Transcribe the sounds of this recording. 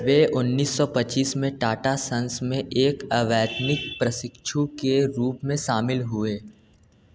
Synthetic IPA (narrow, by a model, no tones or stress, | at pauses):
ʋeːʔʊnːiːsːɔpɐtːt͡ʃiːsmẽʈaːʈasɐ̃nsmẽʔeːkəʋɛːt̪nɪk̚pɾɐsɪkʃʰukeɾuːpmẽʃaːmɪlɦʊeː